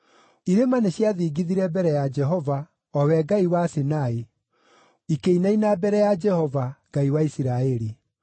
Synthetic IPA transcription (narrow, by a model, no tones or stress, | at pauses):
iɾemaneɕjaðiːɡiðiɾɛbɛɾɛjad͡ʒɛɦɔva | ɔwɛɡaiwasenae | ikeinainabɛɾɛjad͡ʒɛhɔvaɡ̥aiwaisiɾaeɾi